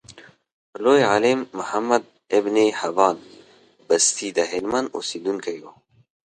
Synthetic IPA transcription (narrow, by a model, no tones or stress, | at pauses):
loːjʕaleːmːʊħɐmːɐd̪̚ | ebneːhɐvɑːn | bɐst̪ʰiːd̪ɐɦelmɐno̰sid̪unkʰɐjo